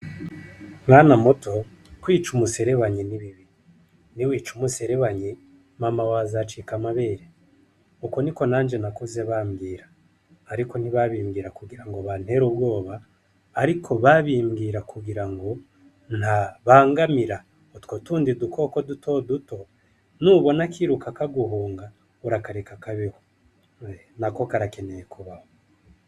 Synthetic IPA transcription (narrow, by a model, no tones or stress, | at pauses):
mŋaːnamoto̞ | kwiːt͡ʃumuse̞ɾe̞βaɲiniβiβi | niwiːt͡ʃumuse̞ɾe̞βaɲi | mamawazat͡ʃikamaβeːɾe | ukoniko̞naːnd͡ʒe̞nakoze̞βaːmɡiːɾaː | ɾiko̞niβaβiːmɡiːɾakuɡiɾaŋɡo̞βan̥he̞ɾub̚ɡo̞ːβaː | ɾikʰo̞βaβiːmɡiːɾakuɡiɾaŋɡo̞ | n̥haβaːŋɡamiɾa | otkotuːndidukʰo̞ko̞dutʰo̞duto̞ | nuβo̞nakiɾukakaɡuɦuːŋɡa | uɾakaɾekakaβiho | nako̞kaɾake̞ne̞jekuβaho